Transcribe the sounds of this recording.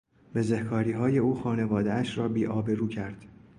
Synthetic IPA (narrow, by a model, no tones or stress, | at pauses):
b̥e̞zehkʰɒːɾiːɦɒːje̞uːxɒːne̞vɒːd̪eæʃɾɒːbiːʔɒːbe̞ɾuːcʰæɾd̪̥